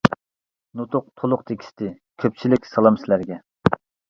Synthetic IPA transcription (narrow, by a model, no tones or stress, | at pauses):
not̪ʊq̚t̪ʰolˠʊqt̪ʰekʲʰi̥st̪ɪ | kʲʰøp̚t͡ʃʰilɪkʲsɑlˠɑmsɪlæɾɡʲɛ